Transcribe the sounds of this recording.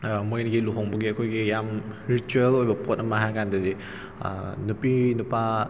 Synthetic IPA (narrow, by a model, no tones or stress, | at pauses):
mojnɡiluɦɔŋbɐɡiɐkʰojɡijamɾituelojbɐpɔt̚ɐmaɦajkandɐdḭ | nupinupa